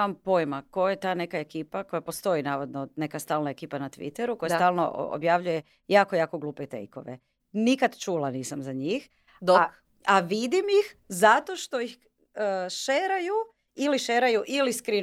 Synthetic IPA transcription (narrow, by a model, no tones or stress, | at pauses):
ampo̞jmakojet̪aːnekaekiːpako̞japo̞st̪o̞inaːʋod̪none̞kast̪aːlˠnaekiːpanat̪ʋḭt̪eɾuko̞jasaːlˠno̰o̰bjaʋʎuje̞ | jaːko̞jaːko̞ɡlˠuːpet̪ḛjko̞̰ʋḛ | nikad̪t͡ʃuːlaniːsamzaɲiːx | d̪o | aʋid̪imjixzat̪o̞ʃt̪o̞ix | əʃeɾaju | iliʃeɾajuʔiliskɾi